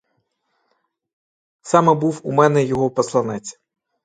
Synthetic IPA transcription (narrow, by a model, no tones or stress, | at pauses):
sɑmɛbuwumɛnɛjɔɦɔpɔslˠɐnɛt͡sʲ